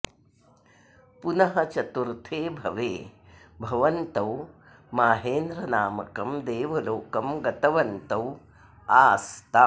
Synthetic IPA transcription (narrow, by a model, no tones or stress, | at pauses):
punɐɦɐt͡ʃɐt̪uɾt̪ʰeːbʱɐʋeːbʱɐʋɐnt̪ɐw | maːɦeːnd̪ɾɐnaːmɐ̰kɐmd̪eːʋɐloːkɐmɡɐt̪ɐʋɐnt̪ɐw | aːst̪a